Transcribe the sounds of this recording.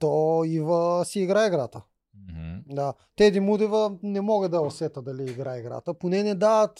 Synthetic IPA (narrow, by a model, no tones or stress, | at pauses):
t̪ɔivɐsiːɡɾaɛɡɾat̪ə | d̪a | t̪ɛd̪imud̪ivɐnɛmɔɡəd̪ɐɛosɛt̪əd̪ɐliiɡɾaɛɡɾa̰t̪əponɛnɛd̪aət̪